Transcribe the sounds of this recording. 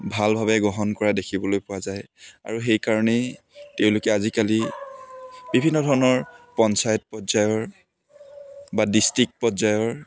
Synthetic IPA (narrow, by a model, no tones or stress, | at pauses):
bʱalbʱabɛɡɔɦɔnkɔɹadekʰibɔlojpʊwazaj | a̰ɹuxejkaɹɔnɛ | teʊ̃lʊkɛazikali | b̥ibʱinːɔdʱɔɹɔnɔɹpɔnsajɔt̚pɔzajɔɹ | badistɹik̚pɔzajɔɹ